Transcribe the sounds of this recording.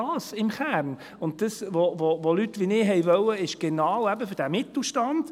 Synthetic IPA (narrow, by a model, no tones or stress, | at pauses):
ɑːsɪmχæɾn | ʊnt̚d̥əsʋovovolytʋinɪːɦɛjʋœwəɪʃɡ̥ɛnɑːwæbəfʏɾd̥æmɪtl̩ʃtɑnd̥